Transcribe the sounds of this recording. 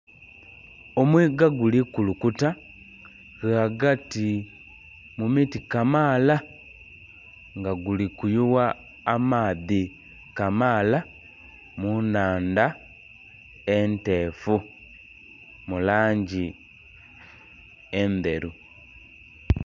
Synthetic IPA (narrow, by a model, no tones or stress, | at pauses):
omwiːɡaɡulikulukuta | ɣaɡati | mumitikamaːla | ŋɡaɡulikujuwaː | maːði | kamaːla | munaːnda | ente̞ːfu | mulaːɲɟi | ende̞ɾu